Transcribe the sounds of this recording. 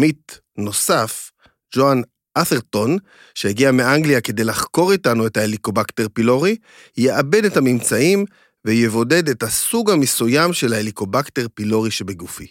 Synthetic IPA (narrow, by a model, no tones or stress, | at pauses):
mit | no̞saf | d͡ʒoan | ʔaθeʁto̞n | ʃe̞eɡiameʔaŋɡliake̞dejlaχko̞ʁitanue̞thaeliko̞bakte̞ʁpilo̞ʁi | jeʔabe̞dethamimt͡saim | vejevo̞de̞dethasuɡhamesujamʃe̞laeliko̞bakteʁpilo̞ʁiʃebeɡufi